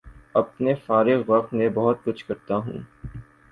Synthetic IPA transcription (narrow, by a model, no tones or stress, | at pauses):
ɐpnefaːɾɪɣʋɐq̚t̪nẽbɐɦʊt̪̚kʊt͡ʃʰkɐɾt̪aɦṵ̃ː